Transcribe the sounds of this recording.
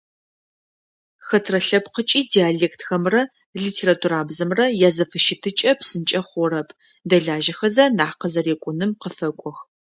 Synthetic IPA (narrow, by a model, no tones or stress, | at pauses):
xɐtʰrɐɬɐpqət͡ʃʼiːdiaːɮeːktʰxɐmrɐ | ɮitʰeːɾaːtʰuɾaːbzɐmrɐjazɐfɨʃɪtʰɨt͡ʃʼɐpsɨnt͡ʃʼɐχʷɔɾɐpʰ | dɐɮaːʒɐxɐzɐnaːqəzɐreːkʷʼʊnɨmqəfɐkʷʼɔx